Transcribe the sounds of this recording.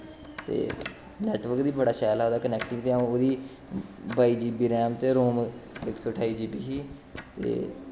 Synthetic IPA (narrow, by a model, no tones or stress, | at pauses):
t̪ḛː | nɛːʈʋəɾkd̪iːbəɽaːʃaːlaːoːd̪aːkənɛːkʈɪ̃ŋɡt̪eːãoːd̪iː | baːiːd͡ʒiːbiːɾɛːmt̪eːɾoːmɪksoːʈʰaːiːd͡ʒiːbiːɦiː | t̪ḛː